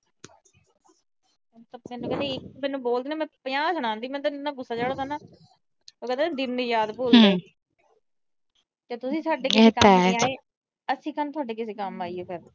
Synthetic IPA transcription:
t̪mɛ̃ːnũːkɛ̃nd̪eɪkmɛ̃ːnũːboːld̪iːnaːmɛ̃ːpɪjãːsəɽ̃ãːnd̪iːmɛ̃ːt̪annːãːɡʊsːaːt͡ʃaːɽõːd̪anaː | oːkɛ̃nd̪eːãːd̪ɪnːiːjaːd̪poːleː | t̪eːt̪ʊsĩːsaːɖeːkekəɛaːeː | əsĩːkənt̪ʰʊaːɖeːkɪseːkəmaːiːeːpʰɪɾ

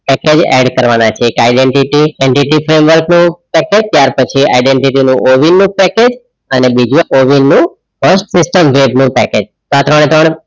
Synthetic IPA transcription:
pɛked͡ʒɛ̰ɖkəɾʋanat͡ʃʰeːkajɖeɳʈiʈieɳʈiʈifɾemʋəɾknũpɛked͡ʒt̪jaɾpət͡ʃʰia̰iɖeɳʈiʈinũʔoʋinːũpɛked͡ʒ | ənebid͡ʒũʔoʋinːũ | fəsʈsɪsʈəmʋebnũpɛ̰ked͡ʒ | sat̪ɾəɳ̃et̪ɾəɳ

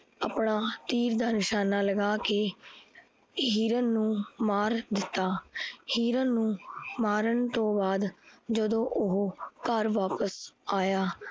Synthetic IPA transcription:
əpɳaːt̪iːɾd̪aːnɪʃaːnaːləɡaːkeː | ɦiːɾənːũːmaːɾd̪ɪt̪ːaːhiːɾənːũːmaːɾəɳt̪õːbaːd̪d͡ʒəd̪õːʔʊɦːkəɾʋaːpəsaːjaː

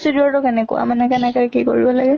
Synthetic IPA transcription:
tudiɔɹtɔkɛnɛkʊ̰a̰manɛkanɛkaɹkiko̰ɹibɔlaɡɛ

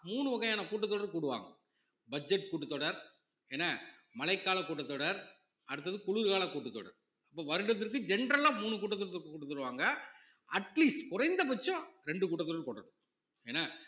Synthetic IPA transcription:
muːɳɯʋɐɣɐjaːnɐkuːʈːɐt̪ːɔːɽɐɾkuːɽɯʋa̰ːŋɡɐ | bɐd͡ʒɛʈːkuːʈːɯt̪ːɔɽɐɾ | eːnːa | mɐlɐɪkːaːlɐkuːʈːɐt̪ːɔːɽɐɾ | ɐɽɯt̪̬ːɐðɯkʊɭɯɾɣaːlɐkuːʈːɯt̪ːɔ̰ɽɐ̰ɾ | ɐpːoːʋɐɾɯɽɐt̪̬ːɪɾk̬ːɯd͡ʒɛnɾɐlaːmuːɳɯkuːʈːɐt̪̬ːɔɽɐt̪ːɯɾkːɯkːuːʈːɯt̪ːɔɽɯʋaːŋɡɐ | ɐʈliːsʈkʊɾɐɪnd̪ɐp̬ɐt͡ʃːɔ̃ɾɛɳɖɯkuːʈːɐt̪ːɔːɽɐɾkɔːʈːɐɽɯ | eːnːaː

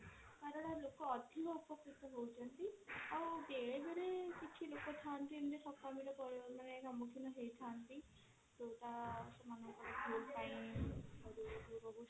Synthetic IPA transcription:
kaɾɔɭalokɔːd̪ʱiɔɔpɔkɾit̪ɔɦowt͡ʃʰɔnt̪iawd̪eɭebeɾekit͡ʃʰilokɔʈʰant̪ind̪eʈʰɔkamiɾɔkɔɾiɔmaneɡamɔkʰinɔɦejʈʰant̪i | d̪oʈasɔmanɔkɔɾebʱolpaj̃ɔɾudubɔbɔ

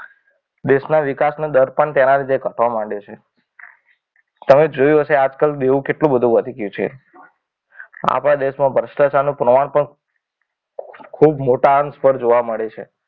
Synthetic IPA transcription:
d̪eʃnaʋikasnod̪əɾpəɳt̪jenaɾit̪ekəʈ̪ʰʋamaɳɖet͡ʃʰe | t̪əmed͡ʒojũɦəʃead͡ʒkəld̪eʋũkeʈlũbəd̪ʱũʋəd̪ʱiɡjũt͡ʃʰiḛ | a̰pɽ̃ad̪eʃmãbʱəɾʃʈət͡ʃanũpɾəmaɳ̃pəɳ | kʰubmoʈaənspəɾd͡ʒoʋaməɭet͡ʃʰe

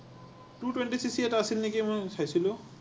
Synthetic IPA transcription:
ʈuʈweɳʈisisieʈaasilnikimɔjsʰajsʰilu

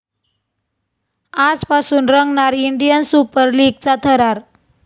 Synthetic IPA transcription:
ad͡zpasuːnɾəŋɡɳaɾiɳɖijənsupəɾliɡ̚t͡sat̪ʰəɾaɾ

